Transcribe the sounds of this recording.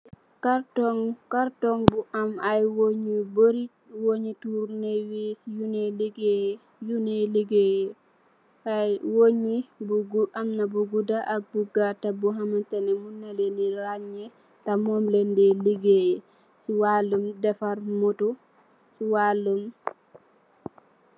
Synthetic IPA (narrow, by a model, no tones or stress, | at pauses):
kaɾtɔŋkaɾtɔŋbuʔamajwoɲiboɾi | woɲituɾnewisjunɛliɡɛ | junɛliɡɛ | ajwoɲibuɡuamnabuɡudaʔak̚buɡatabɔɦamantanɛmunːaleniɾaɲːɛ | tamɔmlɛndɛliɡɛ | suwalːumdɛfaɾmɔtɔ | suwalːum